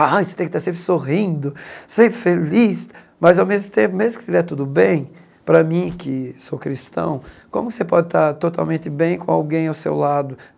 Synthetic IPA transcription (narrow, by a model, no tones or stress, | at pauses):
ajse̥t̪ẽkɪt̪aɾsẽmp̬ɾɪsoɦĩnd̪ʊsẽpɾɪfelis | mɐzawmezmʊt̪ẽpʊmezmʊkɪ̥sɪvɛt̪ud̪ʊbẽj̃ | pɾɐmĩkɪsokɾist̪ɐ̰̃w̃ | kõmʊkɪsepɔd͡ʒɪt̪aɾt̪ot̪a̰wmẽnt̪ɪbẽj̃kõawɡẽj̃awsḛwlad̪ʊ